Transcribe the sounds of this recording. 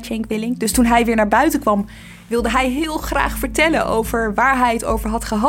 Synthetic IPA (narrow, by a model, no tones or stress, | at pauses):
t͡ʃɛŋkʋɪlɪŋdɵstunɦɛjʋɪːɹnaːɹbœɥtənkʋɑm | ʋɪlˠdəɦɛjɦɪːlˠχra̰ːχfəɹtɛlənʔo̰wvəɹʋaːɹɦɛjəto̰wvəɹɦɑtχəɦɑ